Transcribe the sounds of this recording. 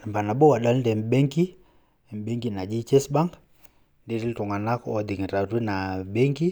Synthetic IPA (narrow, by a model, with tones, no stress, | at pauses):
mba˨na˨ɓɔ˦wa˨ɗa˦lndɛ˨m˨ɓɛ˦ŋki˦˨ | m˨ɓɛ˦ŋɡi˦na˨d͡ʒi˦t͡ʃɛ˦sba˦ŋɡ | ndɛ˦ɾi˦ltu˨ŋɡa˨na˦kɔ˦ɔ˦d̪i˨ŋ˨ɾa˨ti˦na˨ɓɛ˦ŋɡi˦